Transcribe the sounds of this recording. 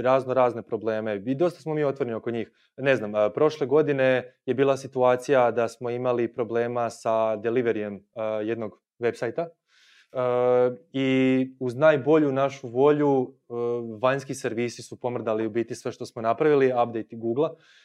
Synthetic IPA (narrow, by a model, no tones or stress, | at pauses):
ɾaːznoɾaːzne̞pɾo̞ble̞ːme̞id̪o̞st̪ḁsmo̞miːo̞t̪ʋoɾenio̞ko̞ɲiːx | ne̞znampɾo̞ʃle̞ɡo̞d̪ine̞je̞biːlˠasit̪uaːt̪sijad̪asmo̞imalipɾo̞ble̞ːmasad̪eliʋe̞ɾie̞mje̞d̪no̞ɡ | ʋe̞psajt̪a | əiuznaːjbo̞ʎunaʃuʋo̞ʎu | ʋaɲskiseɾʋiːsisupo̞mr̩d̪aliubiːt̪isʋe̞ʃt̪o̞smonapɾaʋiliap̚d̪ejt̪iɡuːɡlˠa